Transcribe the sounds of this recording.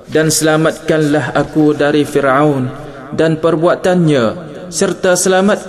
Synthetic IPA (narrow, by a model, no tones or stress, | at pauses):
dansəlamat̪̚kanlaɦakudaɾifirawn | danpərbuat̪anɲã | sərt̪asəlamat̪̚